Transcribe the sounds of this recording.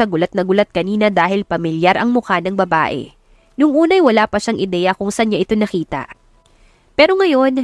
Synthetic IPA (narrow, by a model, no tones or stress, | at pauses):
ɐɡʊlat̪̚nɐɡʊlat̪̚kɐniːnɐd̪aːhɪlpɐmɪljaɾʔɐŋmʊkanɐŋbɐba̰ːʔɛ̰ | nʊŋʔuːnɐjwɐlaːpɐʃaŋʔɪd̪ɛːjɐkʊŋsɐnɲaʔɪt̪o̞nɐkiːt̪ɐ̰ʔ | pɛːɾo̞ŋɐjo̞n